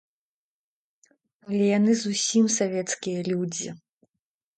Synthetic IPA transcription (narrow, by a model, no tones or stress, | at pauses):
alʲɛjanɨzusʲimsavʲɛt̪skʲijɐlʲud͡zʲḭ